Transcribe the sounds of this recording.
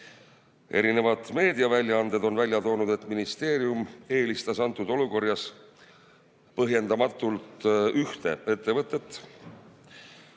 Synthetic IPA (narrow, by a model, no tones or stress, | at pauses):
ʔe̞̰ɾine̞vɑd̪̥me̞ːd̪̥ijɑvælʲjɑɑnd̪̥e̞d̪o̞nvælʲjɑt̪o̞ːnud̪̥e̞t̪ˑminist̪e̞ːɾiume̞ːlist̪ɑsɑnt̪ːˑud̪̥o̞luko̞rjɑs | pɤɦje̞nd̪̥ɑmɑt̪ːˑult̪yht̪e̞̰e̞t̪ˑːe̞vɤt̪ːˑe̞t̪ːˑ